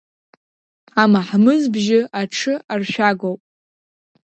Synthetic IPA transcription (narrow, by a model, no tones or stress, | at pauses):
amaħmɨzbʒɪaʈ͡ʂʰɨarʃᶣaɡowpʼ